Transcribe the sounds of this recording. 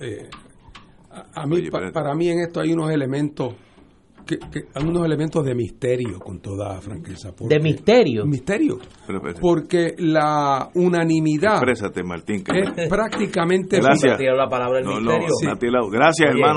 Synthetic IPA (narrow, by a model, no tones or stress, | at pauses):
ḛ | aamipapaɾamie̞ŋe̞st̪oajuno̞se̞le̞mẽnt̪o̞s | kekeajunose̞lemẽnt̪ozðe̞mihst̪e̞ɾjo̰ko̞nt̪o̞ða̰fɾa̰ŋke̞sapoɾd̪emist̪eɾjomist̪e̞ɾjo̰ | po̞ɾkelaunãnĩmiðapɾesat̪ema̰ɾt̪iŋkespɾak̚t̪ikamẽnt̪eɾsat̪eɾolapalaβɾaeineɾjosiat̪elaɡɾasjaseɾmãn